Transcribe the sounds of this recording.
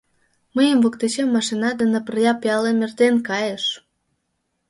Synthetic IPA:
məjəmvokt̪et͡ɕemːɑʃinɑd̪ənə̆pərjɑpiɑlemʲert̪enkɑjəʃ

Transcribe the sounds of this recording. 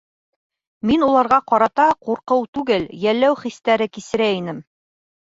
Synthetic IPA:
minulˠɑɾʁɑqɒɾɑt̪ɑquɾqɤwt̪ʉɡɘljælːæwχist̪æɾɘkisɘ̆ɾæinɘm

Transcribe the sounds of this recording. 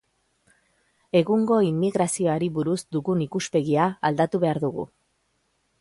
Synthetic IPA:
e̞ɣuŋɡo̞imːiɣɾasio̞aɾiβuɾuzd̪uɣunikuspe̞ɣiaald̪at̪uβe̞aɾðuɣṵ

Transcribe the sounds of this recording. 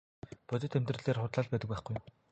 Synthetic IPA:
pʊt͡ɕ̪ɪ̆t̪ʰemt̪rɘ̆ɮeːrχʊt̪ɮaːɮpæːt̪ə̆k̚pæːχɡujm

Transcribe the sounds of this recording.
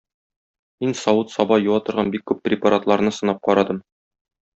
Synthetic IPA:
minsɒwut̪sɒbɑjuwɑt̪ɤ̆ɾʁɑnbikːʉpːrʲɪpaɾat̪lˠɑɾnɤsɤ̆nɑp̚qɒɾɑd̪ɤm

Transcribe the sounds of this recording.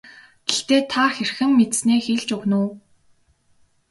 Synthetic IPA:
ɡeɬt̪eːt̪ʰaxerxɘ̆mːet̪sneːxeɮt͡ɕɵɣnʊː

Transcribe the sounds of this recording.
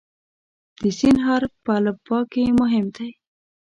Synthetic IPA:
d̪̥əsinɦɑɾpəalabɑkemʊɦɪmd̪aj

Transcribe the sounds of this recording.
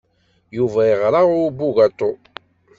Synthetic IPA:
juvæəʁɾˤɑʁʊbːuɣat̪ˤːo

